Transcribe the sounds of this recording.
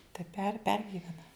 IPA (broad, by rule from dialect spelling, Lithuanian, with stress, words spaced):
tɐɪ pʲɛr ˈpʲɛrʲɡʲɪʋʲɛnɐ